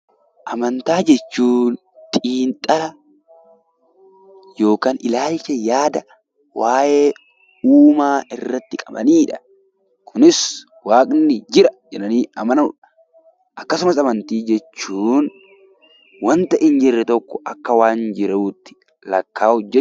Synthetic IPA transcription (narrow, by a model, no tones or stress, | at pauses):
ʔɐmɐnt̪aːd͡ʒɛt͡ʃːuːn | t̪ʼiːnt̪ʼɐlɐ | jo̞ːkaːnɪlaːlt͡ʃɛjaːd̪ɐ | waːjeː | uːmaːɪrːɐt̪ːɪkʼɐbɐ̰niːᶑɐ̥ | kʰʊnɪs | waːkʼnɪd͡ʒɪɾɐd͡ʒɛnɐniːɐmɐn | ʔɐkːɐsʊmɐsɐmɐnt̪iːd͡ʒɛt͡ʃːuːn | wɐnt̪ɐʔɪnd͡ʒɪrːɛt̪ɔkːɔʔɐkːɐwaːnd͡ʒɪɾɐuːt̪ːɪ̥ | lɐkːaːɔd͡ʒːɛ